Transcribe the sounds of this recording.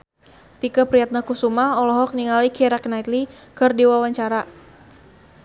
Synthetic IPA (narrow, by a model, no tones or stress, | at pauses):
t̪ikəpɾiat̪̚nakusumaɔlɔɦɔk̚niŋalikʰɛɾaknait̪likɨrdiwawaɲt͡ʃaɾa